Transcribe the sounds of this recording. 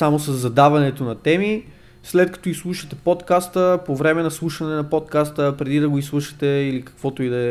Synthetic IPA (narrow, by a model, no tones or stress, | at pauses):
amosɐzːɐd̪avɐnɛt̪onɐt̪ɛmi | slɛt̪kɐ̥t̪ɔislˠuʃɐt̪ɛpot̪kast̪əpovɾɛmɛnɐslˠuʃɐnɛnɐpot̪̚kast̪əpɾɛd̪id̪ɐɡoislˠuʃɐ̥t̪ɛilikɐ̥kvɔt̪oid̪ɐ